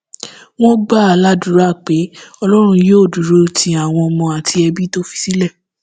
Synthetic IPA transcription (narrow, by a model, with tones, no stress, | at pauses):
w̃ɔ̃˦ɡ͡ba˦˨a˨la˦du˨˦ɾa˦˨k͡pe˨˦ɔ˧lɔ˦ɾ̃ũ˧jo˦˨du˨ɾo˧tʰi˧˦a˦˨w̃ɔ̃˧ɔ˧mɔ̃˧a˨ti˧ɛ˧bi˦to˦fi̥˧si˦lɛ˦˨